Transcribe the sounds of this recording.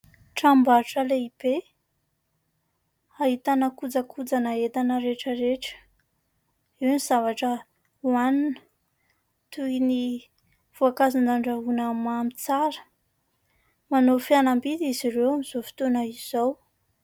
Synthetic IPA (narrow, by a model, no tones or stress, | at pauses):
ʈ͡ʂambaɾʈ͡ʂəleib̥e | aɦit̪anəkud͡zəkʰud͡zanaet̪anəɾeʈ͡ʂəɾeʈ͡ʂə̥ | iwniz̥avaʈ͡ʂə | uaninə̥ | t̪uini | v̥uakazand̪aɳɖ͡ʐaɦunəmamit͡saɾə̥ | manofianambid̪iziɾewamiz̥ofi̥t̪onəiz̥ow